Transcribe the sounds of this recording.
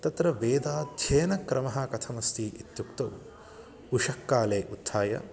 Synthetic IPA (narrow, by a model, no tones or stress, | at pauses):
t̪ɐt̪ɾɐʋeːd̪aːd̪ʱjeːnɐkɾɐmɐɦɐkɐt̪ʰɐmɐst̪ʰiːʔit̪jukt̪ɐw | uʂɐkːaːleːʔut̪ʰːaːjɐ̰